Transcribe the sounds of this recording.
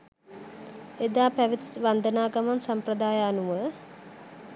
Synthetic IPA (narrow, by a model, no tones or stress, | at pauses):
ed̪aːpæʋit̪i̥ʋand̪ənaːɡamansamprəd̪aːjaːnuʋə